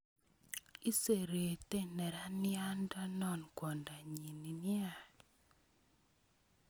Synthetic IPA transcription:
i˦se˨ɾe˨te˦nɛ˨ɾa˦nɪ˦a˦nda˦nɔ˦˨nkwɔ˨nda˨ɲi˨ni˨nɪ˦a˦˨

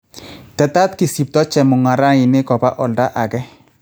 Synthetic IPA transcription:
tɛ˨ta˦tki˨si˨p̚tɔ˦t͡ʃɛ˨mʊ˨ŋa˨ɾa˦i˨ne˦kɔ˨pa˦ʔɔ˨lda˦ʔa˨kɛ˦

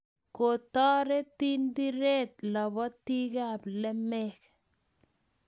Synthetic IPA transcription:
ko˨tɔ˦ɾe˦ti˦ndi˦ɾɛ˦tlɔ˨bɔ˦ti˦ka˨blɛ˦mɛ˦k

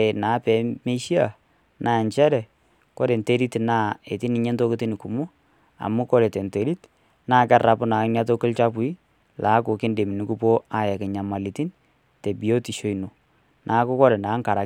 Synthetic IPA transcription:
e˨naː˨˦pɛ˨˦me˦ʃi˦a˨ | nʔaː˦˨ɲt͡ʃɛ˦ɾɛ˨ | ko˦ɾe˨nte˦ɾi˦tnaː˦e˨ti˦ni˨˦ɲɛ˦nto˦kɪ˦ti˦ni˨ku˨mu˦ | a̰˨mu˦ko˦ɾe˨te˨nte˨ɾi˦t | naː˦˨kɛ˦ra˨pʊ˦na˨ɪ˦nja˦to˦kɪ˦lt͡ʃa˦p̬ʊ˨˦i˦ | la˨˦kʊ˨ke˦nde˨mi˨ni˦ku˦po˦a˦jɛ˨kɪ˨ɲa˨ma˨li˨ti˦n | te˨bi˨jo˦ti˨ʃo˦i˨no˨ | nʔa˨˦kʊ˦kɔ˦ɾɛ˨na˨˦ŋka˨ɾa˨

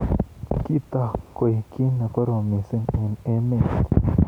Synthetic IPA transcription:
ki˦t̪a˧˨ko˨jki˦na˨ko˦ɾo˨mĩ˨se˦ŋe˨ne˦mẽ˧˨t̪

